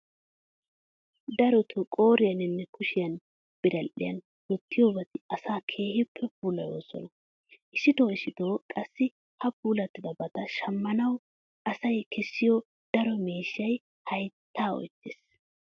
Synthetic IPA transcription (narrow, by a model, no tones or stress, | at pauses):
d̪ɐɾɔt̪ʰʊkʼoːɾɪjɐnɪnːɛkʊʃɪjɐn | b̥ɪɾɐlʔɪ̰jɐ̰n | wɔt̪ːɪjoːbɐt̪ɪɐsaːkʰe̞ːhɪpʰːɛpuːlɐjo̞̰ːsɔ̰nɐ | ʔɪʃɪt̪oːɪʃɪt̪o̞ːkʼɐsːɪ | hɐpuːlɐt̪ːɪd̪ɐbɐt̪ɐʃɐmːɐnɐw | ʔɐsɐjkɛsːɪjɔ | d̪̥ɐɾɔmeːʃːɐj | hɐjt̪ːaːɔ̰jt̪ːɪs